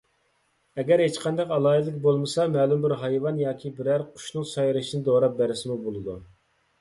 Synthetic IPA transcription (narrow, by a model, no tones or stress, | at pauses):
ɛɡʲæɾɦet͡ʃqʰɑnd̪ɑqɑlˠɑːd̪lɪkʲbolˠmɨsɑmɛːlumbɪɾɦɑjvɑnjɑːkʲʰibɪɾæɾqʰʊ̥ʃnɨŋsɑjɾɨʃinɨd̪oɾɑp̚bæɾɪsɪmubolˠɨd̪u